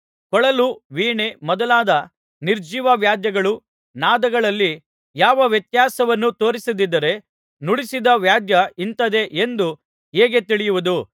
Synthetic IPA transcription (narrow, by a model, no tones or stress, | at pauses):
kɔɭɐluʋiːɳemɔd̪ɐlaːd̪ɐ | niɾd͡ʒiʋɐʋjaːd̪jɐɡɐɭu | naːd̪ɐɡɐɭɐlːi | jaːʋɐʋjɐt̪jaːsɐʋɐnːut̪o̞ːɾisɐd̪id̪ːɐɾe̞ | nuɽisid̪ɐʋjaːd̪jɐint̪ɐd̪e̞ʔend̪u | ɦeːɡe̞t̪iɭijuʋud̪u